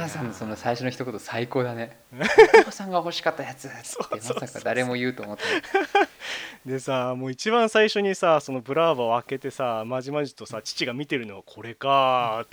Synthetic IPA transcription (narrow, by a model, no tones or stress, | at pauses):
asãnsonosaiɕo̞noçi̥t̪o̞ko̞t̪osaiko̞ːd̪ane̞ | kosãŋɡaoɦo̞ɕi̥kat̪ːajat͡sɨsomosakːad̪aɾe̞mo̞jɯ̟ːt̪oːmot̪ː | d̪e̞samo̞ːit͡ɕibãɰ̃saiɕo̞ɲ̟isaso̞no̞bɯ̟ɾaːβaoake̞t̪e̞samaʑimaʑit̪o̞sat͡ɕi̥t͡ɕiɡamʲit̪e̞ɾɯ̟no̞βakʰo̞ɾe̞ka